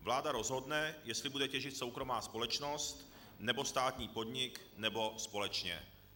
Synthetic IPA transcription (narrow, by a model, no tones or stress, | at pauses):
vlaːdaɾo̞zɦo̞dnɛjɛst̪lɪbudɛcɛʒɪt̪so̞wkɾo̞maːspo̞lɛt͡ʃno̞st̪ | nɛbo̞st̪aːt̪ɲiːpo̞dɲɪk | nɛbo̞spo̞lɛt͡ʃɲɛ̰